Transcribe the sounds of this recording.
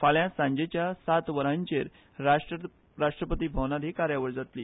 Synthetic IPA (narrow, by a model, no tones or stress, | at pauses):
faljãsãɲd͡ʑet͡ɕjasat̪ʋəɾãɲt͡ɕeɾ | a | ɾaʂʈɾəpət̪iːbʱəwnad̪ʱikaɾjaʋəɾd͡zat̪lḭː